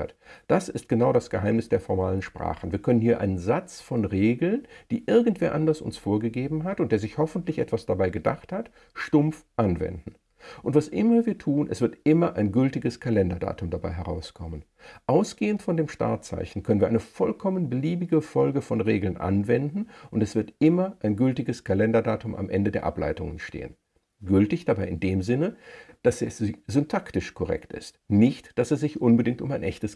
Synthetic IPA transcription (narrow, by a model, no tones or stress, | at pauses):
a̰td̥asɪst̚ɡ̥ənaʊɾasɡ̥əɦaɪmnɪsd̥eːɐfɔɐmaːlənʃpʁ̥a̰ːχən̩viːɐkʰœnənhiːɐʔa̰ɪnənzat͡sfɔnʁeːɡl̩nd̥iːʔɪɐɡŋ̩tv̥eːɐʔandɐsʊ̰nsfoːɐɡəɡeːbm̩ɦatʊntd̥eːɐzɪçhɔfn̩tlɪçʔɛ̰tv̥asd̥abaɪɡəda̰χthat | ʃtʊmfʔanvɛ̰ndn̩ | ʔʊntv̥asʔɪmɐviːɐtʰuːnʔɛ̰sv̥ɪɐtʔɪmɐʔaɪnɡʏltɪɡəskʰalɛndɐda̰ːtʊmdabaɪɦɛʁa̰ʊskʰɔmən | ʔaʊsɡ̥eːəntfɔndeːmʃta̰ɐtt͡sa̰ɪçn̩kʰœnənviːɐʔaɪnəfɔlkʰɔmənbəliːbɪɡəfɔlɡəfɔnʁeːɡl̩nʔa̰nvɛndn̩ʔʊntɛsv̥ɪɐtʔɪmɐʔaɪnɡʏltɪɡəskʰalɛndɐdaːtʊmʔa̰mʔɛndədeːɐʔa̰pla̰ɪtʊŋənʃtḛːə̰n | ɡʏltɪçd̥abaɪʔɪndeːmzɪnəd̥asɛszʏntʰaktɪʃkʰɔʁɛ̰ktɪ̰stnɪçtd̥asɛsz̥ɪçʔʊnbədɪŋtʊ̰maɪnʔɛçtəs